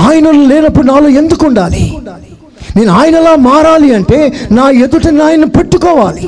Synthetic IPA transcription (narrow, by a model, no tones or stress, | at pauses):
aːjɐnɐlolɛːnɐpːuɽunaːloːe̞nd̪ukuɳɖaːlḭ | ne̞ːnuaːjɐnɐlaːmaːɾaːliɐɳʈe̞ːnaːed̪uʈɐnaːjɐnːupeʈːukɔːʋaːli